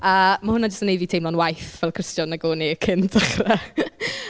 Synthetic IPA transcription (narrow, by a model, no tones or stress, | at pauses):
əmahʊnad͡ʒəstənejvitʰejmlɔnwajθvɛlˠkʰr̥ɪstjɔnːaɡoːniəkʰɪntʰaχra